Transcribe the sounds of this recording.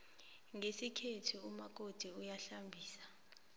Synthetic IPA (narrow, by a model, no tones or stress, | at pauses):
ŋesikʰetʰuumak̬ʼod̥ʱiujaɬambʱiːsḁ